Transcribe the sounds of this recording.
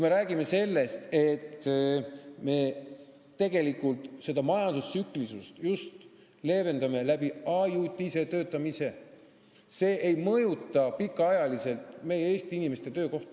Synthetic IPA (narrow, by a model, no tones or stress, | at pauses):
kmeɾæːɡ̥ime̞se̞lːe̞st̪e̞t̪ː | me̞ | t̪e̞ɡ̥e̞likːˑult̪se̞d̪̥ɑmɑjɑnd̪ussykˑlisust̪just̪ | le̞ːve̞nd̪ɑme̞læb̥iɑjut̪ʲːˑise̞t̪ø̞ːt̪ːˑɑmise̞ | se̞ːʔejmɤjut̪ːˑɑpikːˑɑɑjɑlise̞lt̪me̞jee̞ːst̪iinime̞st̪e̞t̪ø̞ːko̞ht̪ɑ